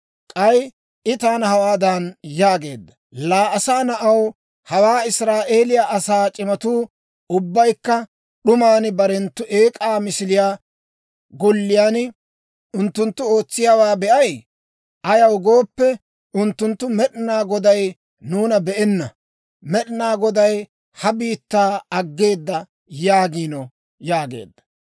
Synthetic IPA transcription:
kʼɐj | ʔɪt̪aːnɐhɐwaːd̪ɐnjaːɡe̞ːd̪ːɐ | laːʔɐsaːnɐʔɐw | hɐwaːɪsɾaːʔeːlɪjaʔɐsaːt͡ʃʼɪmɐt̪uː | ʊbːɐjkːɐ | ɗʊmaːnɪbɐɾɛnt̪ːʊʔe̞ːkʼaːmɪsɪlɪjaː | ɡɔlːɪjaːn | ʊnt̪ːʊnt̪ːʊo̞ːt͡sːɪjaːwaːbɛʔɐj | ʔɐjɐwɡo̞ːpːɛ | ʔʊnt̪ːʊnt̪ːʊmɛɗɪnaːɡɔd̪ɐj | nuːnɐbɛʔɛnːɐ | mɛɗnaːɡɔd̪ɐj | hɐbiːt̪ːaːɐɡːe̞ːd̪ːɐ | jaːɡiːnɔ | jaːɡe̞̰ːd̪ːɐ̥

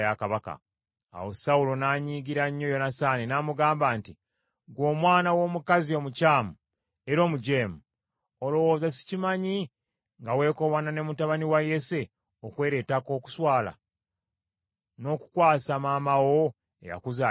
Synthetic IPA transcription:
jakaβaka̰ː | wosawulo̞naːɲiːɡiɾaɲːo̞jo̞nasaːninaːmuɡaːmbaːnti | ɡwo̞ːmwaːnawo̞ːmukazio̞mucaːmu | eɾo̞ːmuɟeːmu | olo̞wo̞ːzasi̥cimaɲi | ŋɡawe̞ːko̞βanane̞mutaβaniwaje̞se̞ | okwe̞ːɾetako̞ːku̥swaːla̰ | no̞ku̥kwaːsamaːmawo | ḛja̰kuza

